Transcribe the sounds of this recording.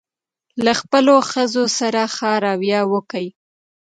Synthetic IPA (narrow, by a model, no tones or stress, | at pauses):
laxpəloxəzosaɾaxɑɾɑwjɑwəkəj